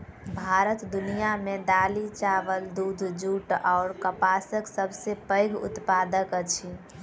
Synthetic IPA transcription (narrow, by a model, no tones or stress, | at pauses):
bʱaɾət̪d̪unijamẽd̪aːlit͡ʃaʋəld̪uːd̪ʱd͡ʒuːʈɔːɾkəpasəksəbʱsepəɪɡʊ̰t̪pad̪əkət͡ʃʰi